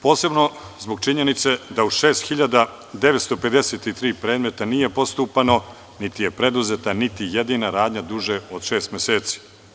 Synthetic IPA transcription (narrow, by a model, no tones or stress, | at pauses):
po̞ːse̞bno̞zboɡ̚t͡ʃiɲe̞nit̪se̞d̪auʃe̞ːst̪xiʎad̪a | d̪e̞ʋet̪st̪o̞pe̞d̪eset̪it̪ɾiːpɾe̞ːd̪me̞t̪anije̞po̞st̪uːpano̞ | nit̪ije̞pɾe̞d̪uzet̪anit̪ijed̪inaɾaːd̪ɲad̪uʒeod̪ʃeːst̪mʲeseːt̪si̥